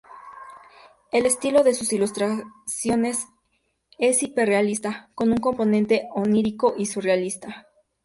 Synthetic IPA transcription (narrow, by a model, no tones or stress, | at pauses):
e̞le̞st̪ilo̞ðe̞susilust̪ɾasjo̞ne̞s | e̞sipere̞alist̪ako̞nuŋko̞mpo̞nẽ̞nt̪e̞oniɾiko̞ʔisurealist̪a